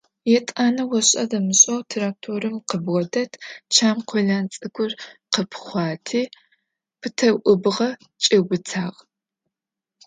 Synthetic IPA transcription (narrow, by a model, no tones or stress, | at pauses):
jɛtʼaːnɐwɔɕʼɐdɐmɨɕʼɐwtʰɐrak̚tʰoːɾɨmqəbʁɔdɐtʰt͡ʃʰaːmqʰʷɔɮaːnt͡sʼɨkʷʰʼʊrqəpʰχʷɑːtʰiː | pʰɨtʰɐwʔʷʊbɨʁɐ | t͡ʃʼɪwʷʊt͡sʰaːʁ